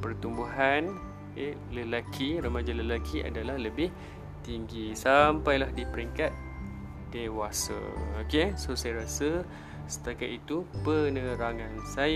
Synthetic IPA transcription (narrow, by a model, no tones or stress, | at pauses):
pərt̪umbuɦan | eləlakʰiɾəmad͡ʒaləlakʰia̰dalahləbɪh | t̪iŋɡisampajlahdipəɾiŋkat̪̚ | d̪̥ewasa̰okesosajaɾasə | sə̥t̪akaʔ̪it̪upənə̃ɾaŋãnsaj